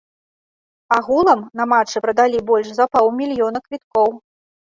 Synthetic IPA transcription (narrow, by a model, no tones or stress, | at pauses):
aɣulˠɐmnɐmat͡ʂɨpɾɐd̪alʲibɔlʲʂzɐpawˠmʲilʲjɔnɐkvʲit̪̚kɔw